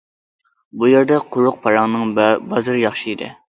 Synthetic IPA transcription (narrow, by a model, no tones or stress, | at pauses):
bujeɾd̪ɛqʰʊɾʊq̚pʰɑɾɑŋnɨŋbɑzɨɾjɑχʃid̪ɨ̰